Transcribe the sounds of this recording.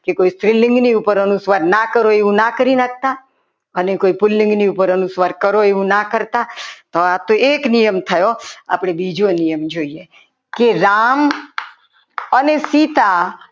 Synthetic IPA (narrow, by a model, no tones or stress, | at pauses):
kekoist̪ɾɪlɪ̃ŋɡniupəɾənusʋaɾnakəɾoeʋũnakəɾinak̚ʰt̪a | ənekoipʊlːɪ̃ŋɡniupəɾənusʋaɾkəɾoeʋũnakəɾt̪at̪oat̪oeknijəmt̪ʰəjoa̰pəɽ̃ebid͡ʒonijəmd͡ʒoie | keɾam | ənesit̪a